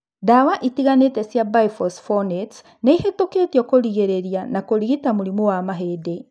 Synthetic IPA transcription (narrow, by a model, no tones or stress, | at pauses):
dawaʔitiɣanetɛsjabaifɔsfɔnet | neihetoketjɔkoɾiɣeɾeɾianakoɾiɣitamuɾimowamaɦeːde